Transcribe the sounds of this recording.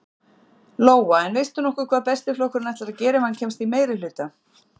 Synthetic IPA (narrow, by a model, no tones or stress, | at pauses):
loːwaɛnvejst̪ʏnɔhkʏkʰvaːðpɛst̪ɪflowhkʏɾnɛjht̪laɾaðcɛːɾɪmhancʰɛmst̪imeːjɾɪlʏːt̪a